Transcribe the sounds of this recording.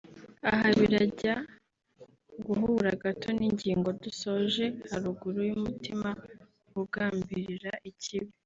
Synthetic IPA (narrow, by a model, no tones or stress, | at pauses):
aɦaβiɾaɟa | ɡuɦuɾaɡatʰo̞niɲɟiːŋɡo̞duso̞ʒe̞haɾuɡuɾujumutʰima | kuɡaːmbiɾiɾaʔiciβi